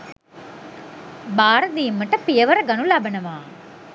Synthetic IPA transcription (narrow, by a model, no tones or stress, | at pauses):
baːɾɐd̪ijɪmːɐʈːɐpɪjɐʋɐɾɐɡɐnulabɐnɐʋaː